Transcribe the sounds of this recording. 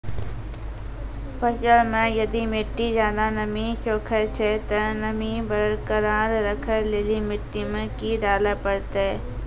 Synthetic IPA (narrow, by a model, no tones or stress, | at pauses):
pʰəʃəlmẽjɐd̪imɪʈːizjaːd̪anəmiʃoːkʰet͡ʃʰet̪enəmibəɾəɾkəɾaːɾɾəkʰəɾleːlimɪʈːimẽkiɖaːləpəɽt̪e